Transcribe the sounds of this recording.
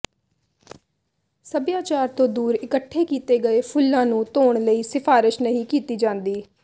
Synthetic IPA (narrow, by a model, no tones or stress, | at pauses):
səbjaːt͡ʃaːɾt̪õːd̪uːɾɪkəʈʰːeːkiːt̪eːɡəeːpʰʊlːãːnũːt̪oːɳləiːsɪpʰaːɾɪʃnəɦĩːkiːt̪iːd͡ʒãːnd̪iː